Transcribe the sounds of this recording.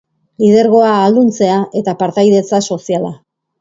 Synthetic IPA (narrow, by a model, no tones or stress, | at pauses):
lið̞e̞ɾɣo̞aːld̪unt͡se̞aʔe̞t̪apaɾt̪ajðe̞t͡saso̞siala